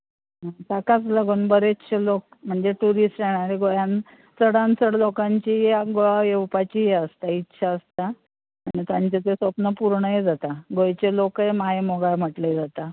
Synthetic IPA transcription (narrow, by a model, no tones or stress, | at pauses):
at̪akat͡sləɡunbəɾetːɕʰelokm̤əɳd͡zeʈuɾisʈjeɽ̃aɾeɡojan | t͡səɽant͡səɽlokaɲt͡ɕieɡoajewpat͡ɕiɦeəst̪aitːɕʰaəst̪a | aɳ̃nit̪ãɲt͡ɕet̪esʋəpnəpuɾɳəjed͡zat̪aɡojt͡ɕelokɦemajemoɡam̤əʈled͡zat̪a